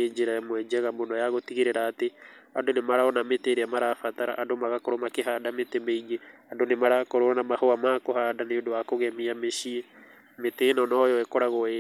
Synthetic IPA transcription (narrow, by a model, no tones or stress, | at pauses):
ed͡ʒeɾamwɛd͡ʒɛɣamonɔjaɣotiɣeɾeɾaːteandonemaɾaɔnameteɾeamaɾafat̪aɾa̰ʔadomaɣakoɾomakeɦaːdametemeiɣeadonemaɾakoɾoɾanamahoamakohadaneodowakoɣɛmiameʃie | metenɔnɔjɔɛkɔɾaɣɔe